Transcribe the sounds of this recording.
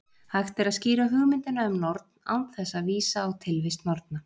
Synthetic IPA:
hajxt̪ɛɾaðsciːɾaɦʏɣmɪnt̪ɪnaʏmnɔɾt̪n̥a̰wnt̪θɛsːaðviːsaːwt̪ʰɪlvɪst̪nɔɾt̪na

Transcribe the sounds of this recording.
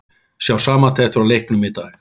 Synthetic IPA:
sjawsaːmat̪ʰɛht̪ʏɾawlejhknʏmɪt̪aɣ

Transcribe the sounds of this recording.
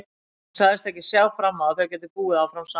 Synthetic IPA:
saðɪst̪ɛhcɪsjaːwfɾamːawθɛacɛːt̪̬ɪpuːɣɪðawfɾamsa

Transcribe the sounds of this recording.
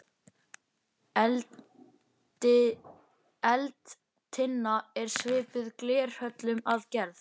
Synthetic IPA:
ɪ | ɛlt̪ | t̪ʰɪnːaɛɾ̥svɪːpʏðklɛːr̥hœt̪lʏmaðcɛɾð

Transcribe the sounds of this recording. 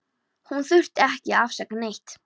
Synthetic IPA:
hunθʏr̥t̪ɛhcɪafsaknejht̪

